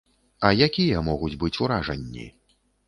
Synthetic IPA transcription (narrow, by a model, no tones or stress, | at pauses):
ɐjakʲijɐmɔɣud͡zʲbɨt͡sʲuɾaʐɐnʲːḭ